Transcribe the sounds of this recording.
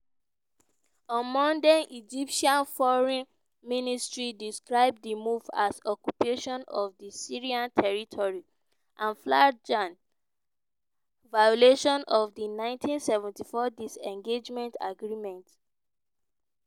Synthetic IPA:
ɔ̃mɔ̃ndãnʔid͡ʒipʃiãnfɔɹĩn | mĩnistɹidiskɹaɪb̚dimuva̰sɔkjupeʃɔ̃nɔvdisiɹiãntʰɛɹitʰɔɹi | ʔãnflad͡ʒãn | vajɔleʃɔ̃nɔvdinãɪ̃ntʰĩnsɛvɛ̃ntifɔdisɛ̃ŋɡed͡ʒmɛ̃nta̰ɡɹimɛ̃nt

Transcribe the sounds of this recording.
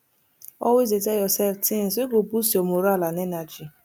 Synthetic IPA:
ɔ̰wezitɛjɔsɛlftɪ̃n̩seɡobusiomoɾalanɛnad͡ʒi

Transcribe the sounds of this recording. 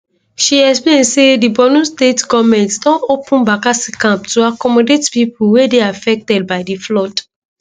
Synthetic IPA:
ʃiɛksplẽnsedibɔnustetɡɔvmɛ̃ntsdɔ̃nopũnbakasikãmptuakɔmɔdetpipulwedeafɛk̚tɛd̚baɪdiflɔt

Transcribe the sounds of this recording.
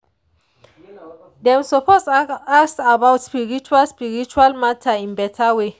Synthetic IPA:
dɛ̃msɔposaksabawtspiɹit͡ʃualspiɹit͡ʃualmatʰaĩnbɛtʰawe

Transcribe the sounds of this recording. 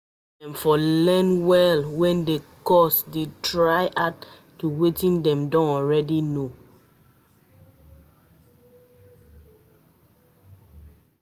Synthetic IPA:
dɛ̃mfɔlɛ̃nwɛlwɛ̃ndekɔsdetɹaɪʔat | tːuwetĩndɛ̃mdɔ̃nɔɹɛdino

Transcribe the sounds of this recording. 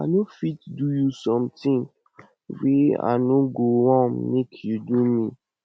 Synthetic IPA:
a̰nofitdujusɔ̃mtʰĩn | wia̰nũɡowɔ̃mnẽkʰjudumĩ

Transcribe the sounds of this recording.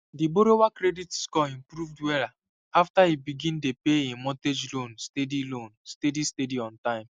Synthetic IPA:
diboɾowakɾeditskɔĩm̩pɾuvdwɛɾa | aftaibiɡĩndepeemɔted͡ʒlõnstedilõnstedistediɔ̃ntãɪ̃m

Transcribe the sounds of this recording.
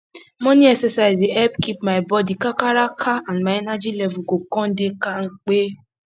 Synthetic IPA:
mɔniɛksesaɪzeɛpkip̚maɪbɔdikakaɾakʰaãnmaɛnad͡ʒilɛvuɡokɔ̃n̩dekaŋ̩k͡pe

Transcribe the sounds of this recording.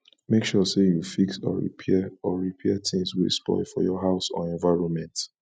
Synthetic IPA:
mekʃɔsejufiksɔ̰ɹḭpʰɛɔɹipʰɛt̪ʰĩŋswḭspɔ̰ɪlfɔ̰jɔɦaʊsɔ̰ɛ̃nvaɪɹɔ̃nmɛ̃nt

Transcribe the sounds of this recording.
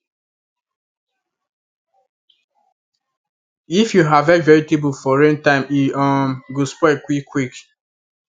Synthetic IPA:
ifjuɦavɛvɛɹitibufɔɹẽntãɪ̃miɔ̃mɡuspɔɪkwikːwik

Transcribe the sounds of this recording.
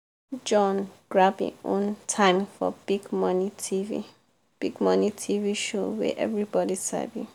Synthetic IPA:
d͡ʒɔ̃nɡ̥ɹabḭ̃õ̰ntʰãɪ̃mfɔ̰b̥iɡmʌnitʰivḭ | b̥iɡmʌnitʰiviʃowḛʔɛ̰vɹibɔdisɛ̰vṵ

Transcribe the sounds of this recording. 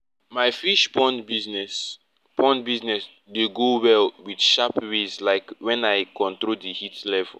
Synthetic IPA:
maɪfiʃpɔ̃nbiznɛs | pʰɔ̃nbiznɛs | deɡowɛlwid̥ʃapɹezlaɪkwɛ̃naɪkɔ̃ntɹodihitlɛvɛ̰l

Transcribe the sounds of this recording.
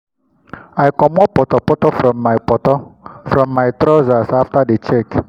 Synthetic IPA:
ajkɔmɔpɔtɔpɔtɔfɾɔmːaɪpɔtɔfɾɔmːaɪtɾɔzasaftadet͡ʃek

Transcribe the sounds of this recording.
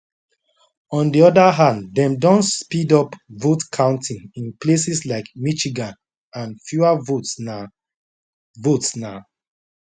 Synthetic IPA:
ɔ̃ndiɔdaɦãnddɛ̃mdɔ̃ntspidɔpvotkʰãʊ̃ntʰĩnĩnplesislaɪkmit͡ʃiɡãn | ãnfjuavot | votsna

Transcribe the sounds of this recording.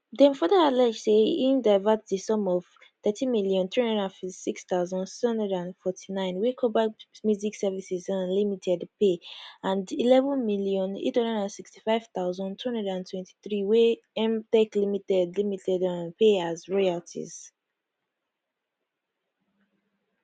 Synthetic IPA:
dɛ̃nfɔdaalɛd͡ʒseindaɪvatdəsɔ̃mɔv̥ | θɛtʰĩmiljɔ̃nθɹihʌ̃ndɹədãnfiti̥sikstaʊzɔ̃nsi̥shʌ̃ndɛdãnfɔtʰinãɪ̃nwekʰɔbamjuziksɛvisizãnlimitʰɛdpeãndilɛvə̃nmiljɔ̃nḛthʌ̃ndədãnsiksti̥faɪv̥t̪aʊzɔ̃ntʰuhɔ̃ndɛdãntʰwɛ̃ntʰi̥θɹiwe | ɛ̃mtɛklimitɛdlimitʰɛdãnpʰeazɹɔaltʰḭz̥

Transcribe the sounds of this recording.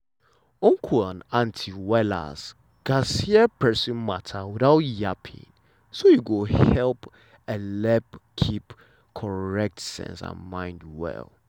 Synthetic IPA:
ɔ̃ŋkʰuãnãntʰiwɛla̰s | ɡ̥asiɛpɛsĩnmatʰawiθaʊtjapʰḭ̃ŋ | sojuɡohɛlp | əlɛpkʰip | kʰɔɹɛk̚tsɛ̰̃nsã̰nmãɪ̃ndwɛ̰l

